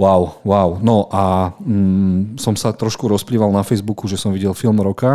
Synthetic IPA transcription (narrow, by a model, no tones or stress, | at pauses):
waʊwaʊnɔʔa | sɔmsat̪ɾɔʃkuɾɔspliːʋalˠnafɛjzbukuʒɛsɔmʋiɟɛlfilmɾɔka